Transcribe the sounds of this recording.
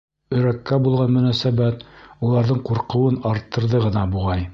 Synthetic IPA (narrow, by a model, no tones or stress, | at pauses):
ɵ̆ɾækːæbulˠʁɑnmɵ̆næsæbæt̪ulˠɑɾðɤɴquɾqɤ̆wɤnɑɾt̪ʰːɤ̆ɾðɤʁɤ̆nɑbuʁɑj